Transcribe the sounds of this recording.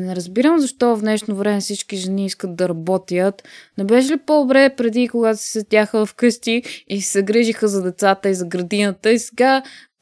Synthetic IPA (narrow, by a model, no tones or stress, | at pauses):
nɛɾəzbiɾəmzɐʃt̪ɔvɐfnɛʃnovɾɛmɛfsit͡ʃkiʒɛniiskət̪̚d̪ɐɾɐbɔt̪ijət̪nɛbɛʃ̬ɛlipod̪obɾɛpɾɛd̪ikoɡat̪o̥si̥sɛt̪ʲjaxəvɐfkɤʃt̪iisɛɡɾiʒixəzɐd̪ɛt̪sat̪əizɐɡɾɐd̪inət̪əisɛ̥ɡa